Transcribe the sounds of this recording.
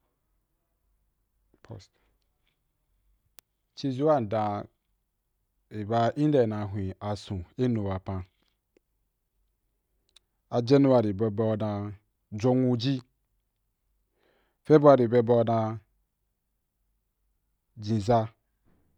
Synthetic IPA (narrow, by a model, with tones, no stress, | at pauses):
pʰo˨s | t͡ʃi˦zu˦a˦n̩˨dã˨ | i˨ba˨˦ʔi˦n˦de˨na˨ɦʷĩ˨a˨sũ˨e˦nu˨wa˨pã˦ | a˨d͡ʒe˦nu˦wa˨ɾi˨be˨bɔ˦˨na˨ | d͡ʒo˦ŋu˦d͡ʒi˦ | fe˦bo˦a˨ɾi˨be˨bɔ˦na˨ | d͡ʒĩ˨za˦